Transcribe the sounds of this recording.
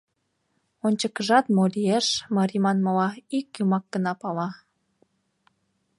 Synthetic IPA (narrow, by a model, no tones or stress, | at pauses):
onʲt͡ɕəkəʒɑt̪molieʃmɑɾʲimɑnmɑlɑikjumɑk̚ɡ̥ənɑpɑlɑ